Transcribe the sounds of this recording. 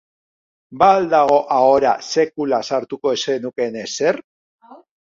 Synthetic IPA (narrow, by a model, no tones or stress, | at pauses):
baːld̪aɣo̞ʔao̞ɾa̰se̞kulasaɾt̪uko̞esenuke̞ne̞se̞r